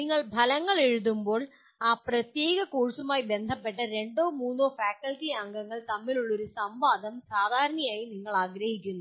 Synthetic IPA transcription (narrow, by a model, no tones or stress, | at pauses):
niŋːɐɭbʱɐlɐŋɡɐɭɛɻɯðɯmboːɭ | aːpɾɐt̪jeːɣɐkuːɻsumaːjbɛnd̪ʱɐpːɛʈːɐɾɛɳɖoːmuːnːoːfaːkɐlʈiɐŋɡɐŋɡɐɭt̪ɐmːɪluɭːɔɾɯsɐmʋaːd̪ɐmsaːd̪ʱaːɾɐɳɐjaːjiniŋːɐɭaːɡɾɐhɪkʲːunːu